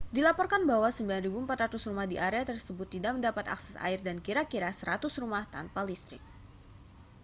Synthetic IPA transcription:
dilapɔrkanbaɦwasəmbilanribuəmpat̪rat̪usrumahdiʔaɾeat̪ərsəbʊt̪ːidaʔməndapat̪a̰ksɛsa̰ɪrdankiɾakiɾasəɾat̪ʊsɾumaht̪a̰npalist̪ɾɪ̰k̚

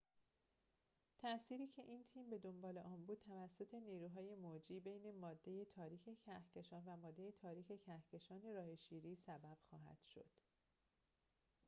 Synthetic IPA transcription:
t̪ʰæsiːɾiːcʰe̞ʔiːnt̪ʰiːmbe̞d̪o̞mbɒːle̞ʔɒːnbuːd̪̥̚t̪ʰævæsːo̞t̪ʰe̞niːɾuːɦɒːje̞mod͡ʒiːbe̞jne̞mɒːd̪ːe̞je̞t̪ʰɒːɾiːcʰe̞cʰæhcʰe̞ʃɒːnvæmɒːd̪ːe̞je̞t̪ʰɒːɾiːxʰe̞cʰæhcʰe̞ʃɒːne̞ɾɒːheʃiːɾiːsæbæb̥xɒːɦæ̰d̪̥ʃo̞̰d̪̥

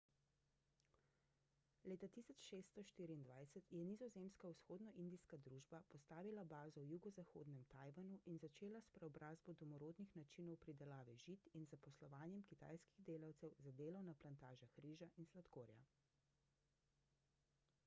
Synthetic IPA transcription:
leːt̪at̪iːsɔt͡ʃʃeːst̪ɔʃt̪iːɾiːnd̪ʋajsɛt̪jɛnizɔzemskausxoːd̪nɔʔind̪iskad̪ɾuːʒbapɔst̪aːʋilabaːzɔwjuɡɔzaxo̰ːd̪nɛmt̪aːjʋanuʔinzat͡ʃeːlaspɾɛɔbɾʔaːzbɔd̪ɔmɔɾoːd̪nixnat͡ʃiːnɔwpɾid̪ɛlaːʋɛʒit̪inzapɔslɔʋaːnjɛmkit̪a̰jskiɣd̪eːlawt̪sɛwzad̪eːlɔwnaplant̪aːʒaxɾiːʒaʔinslat̪koːɾja̰

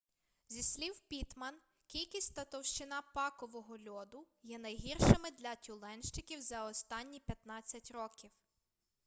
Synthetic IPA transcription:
zʲisʲlʲiwpʲit̪mɐn | kʲilʲkʲisʲtʲt̪ɐt̪ɔwʃt͡ʃɪnɑpɑkɔʋɔɦɔlʲɔd̪ʊ | jɛnɐjɦirʃɪmɪd̪lʲɐtʲulˠɛnʃt͡ʃɪkʲiwzɐɔst̪ɑnʲːipʲjɐt̪nɑt͡sʲːɐtʲrɔkʲiw

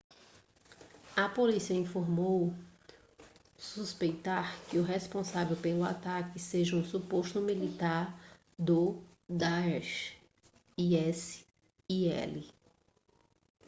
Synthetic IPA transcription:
ɐpolisiɐĩfoɾmow | suspejt̪aɾkɪʊɦespõsavewpelʊa̰t̪akɪseʒɐũsupoʃt̪ʊmilit̪aɾ | d̪ʊ | d̪aɛʃ | iɛs | iɛ̰lɪ

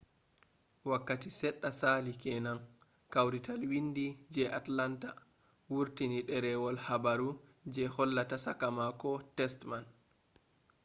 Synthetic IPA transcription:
wakːatisɛɗːasalikɛnan | kawɾitalwindid͡ʒɛʔatlanta | wuɾtiniɗɛɾɛwɔlhabaɾud͡ʒɛhɔlːatasakamakɔtɛstman

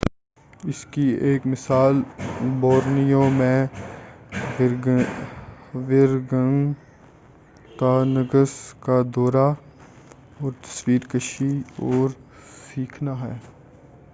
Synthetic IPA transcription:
ɪskieːkmɪsaːlbɔːɾnijõmẽ | ʋɪɾɡəŋ | kanəɡəskad̪ɔːɾa | ɔːɾt̪ɐ̥swiːɾkəʃiɔːɾ | siːkʰnaɦɛː

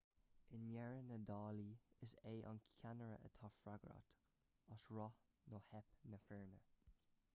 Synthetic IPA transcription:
ɪnjɛɹənədɑːliɪseːʔɑ̰nkʰanəɹə̰ʔə̰t̪ʰɑfɾaɡɾa̰t̪ | əsɹɔ | nohɛpnəfɪɹnə

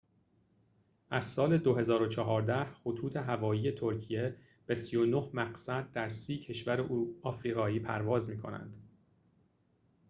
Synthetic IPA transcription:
ʔæzsɒːle̞d̪oɦe̞zɒːɾo̞t͡ʃʰɒɦɒːɾd̪æhxot̪ʰuːt̪ʰe̞ɦævɒːjiːje̞t̪ʰo̞ɾcʰije̞ | b̥e̞sijo̞no̞hmæɢsæd̪̚ːæɾsiːcʰe̞ʃvæɾeuɒːfɾiːʁɒːiːpʰæ̰ɾvɒːzmiːkʰo̞̰næ̰nd̪̥

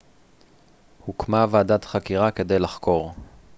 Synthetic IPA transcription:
hukmavaaːdat̪χakiʁake̞d̪e̞jlaχko̞ʁ

